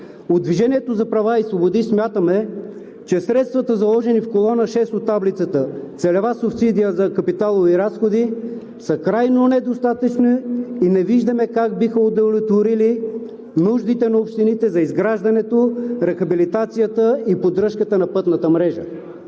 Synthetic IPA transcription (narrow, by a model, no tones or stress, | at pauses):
od̪viʒɛniɛt̪ozɐpɾɐvaisvobod̪ismʲjat̪əmɛ | t͡ʃɛsɾɛt̪st̪vɐt̪əzɐlˠɔʒɛnifkolˠɔnəʃɛst̪ot̪ːablit̪sət̪ət̪sɛlɛvasʊfsid̪ijəzɐkɐpit̪alˠoviɾasxod̪i | səkɾajnonɛd̪ost̪at̪ət͡ʃniinɛviʒd̪ɐmɛkaɡ̚bixəod̪ɐlʲɛt̪voɾili | nuʒd̪it̪ɛnɐopʃt̪init̪ɛzɐizɡɾaʒd̪ɐnɛt̪oɾɛxɐbilit̪at̪sijət̪əipod̪ɾɤʃkət̪ənɐpɤt̪nət̪əmɾɛʒə̰